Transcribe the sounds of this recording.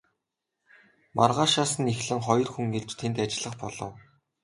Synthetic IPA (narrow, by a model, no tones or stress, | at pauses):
mʔa̰rʁaːʃaːsə̆nixɮɘ̆ŋχɔjɞ̆rxuŋɡeɮt͡ɕt̪ʰent̪at͡ɕɪ̆ɮə̆χpɔɮɞ̰̆w